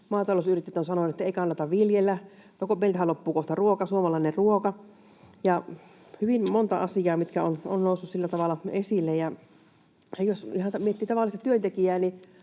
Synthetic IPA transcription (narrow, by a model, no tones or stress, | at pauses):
mɑːt̪ɑlosyrit̪ːet̪ːonsɑnonˑet̪ːæeˑikɑnːɑt̪ɑʋʋiljelːæ | nokumelʲt̪æhælopːuːkoht̪ɑruokɑsuomɑlɑˑinerruokɑ | jɑ | hyʋimmont̪ɑ̰ɑsijɑːmit̪kæono̰nnoˑusːussilːæt̪ɑʋɑlːˑɑesilːejjɑ | josihɑmiet̪ːiːt̪ɑʋɑlːˑist̪ɑt̪yønt̪ekiæːni